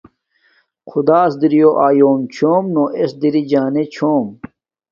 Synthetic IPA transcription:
qʰud̪aːsd̪iɾijoʔaːjoːmt͡ɕʰoːmnoːʔesd̪iɾid͡ʑaːnet͡ɕʰoːm

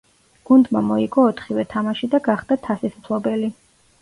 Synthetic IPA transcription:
ɡ̥und̪mamɔiɡɔːt̪ʰχivɛt̪ʰamaʃid̪aɡaχd̪̥at̪ʰasispʰlˠɔbɛli

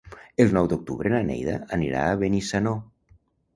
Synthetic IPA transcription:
elˠnɔwd̪uk̚t̪uβɾənanɛ̰jðə̰ːniɾa̰ːβenisano

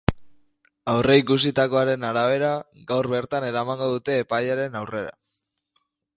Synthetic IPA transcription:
awre̞ikus̬it̪ako̞aɾe̞naɾaβ̞e̞ɾaɡawɾβe̞ɾt̪ane̞ɾamaŋɡo̞ðut̪e̞ːpajaɾe̞nawre̞ɾa̰

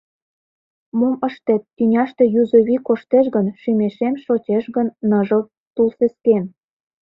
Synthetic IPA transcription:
moməʃt̪et̪ːynʲɑʃt̪e̽juzoβʲikoʃt̪eʃɣənʃymʲeʃemʃot͡ɕeʃɣənːəʒə̆ | t̪ulsesken

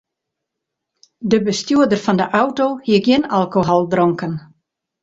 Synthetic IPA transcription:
dəbəstjuədərfɔndəʔawtohiəkjɪnalˠkoɦɔlˠdrɔŋkən

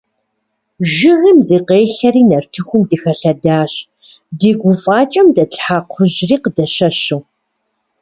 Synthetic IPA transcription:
ʒɪɣɨmdɨqeːɬɐɾiːnɐrtʰɨxʷʊmdɨxɐɬɐdaːɕ | deːɡʷʊfʼɑːt͡ʃʼɐmdɐɬʼħaqʷʰʊʑriːqədɐʃɐʃuw

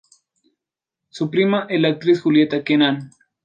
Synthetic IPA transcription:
supɾimaʔelak̚t̪ɾisxuljet̪akenan

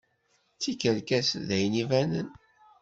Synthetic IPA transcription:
t͡sːikəɾkæsðæjnivænə̰n

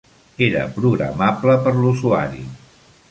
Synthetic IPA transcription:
eɾə̰pɾuɣɾə̰mabləpəɾluzuaɾi

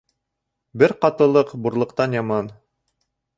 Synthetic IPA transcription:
bɘɾqɑt̪ɤ̆lˠɤqbuɾlˠɤ̆qt̪ɑnjɑmɑn

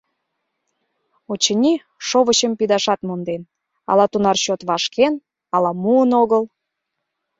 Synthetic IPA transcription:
ot͡ɕənʲi | ʃoβəɕəmpid̪ɑʃɑt̪mond̪en | ɑ̰lɑt̪unɑrɕot̪βɑʃkʰen | ɑlɑmuənoɣəl

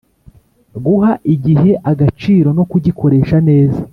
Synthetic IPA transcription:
ɡuhaʔiɟiɦe̞ʔaɡat͡ʃiːɾo̞no̞kuɟikʰo̞ɾe̞ːʃane̞ːza

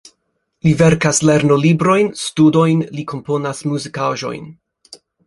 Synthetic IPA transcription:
live̞ɾkasle̞ɾno̞libɾo̞jnstudo̞jnlikʰo̞mpo̞nasmuzikaʒo̞̰jn

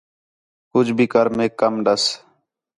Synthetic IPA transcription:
kʊd͡ʒbʱiːkəɾmẽːkːəmɖəs

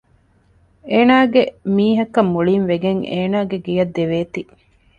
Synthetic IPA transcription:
eːnaːɡemiːɦɐkːɐmːuɭiːnʋeɡeŋʔeːnaːɡeɡijɐd̪ːeʋeːt̪i

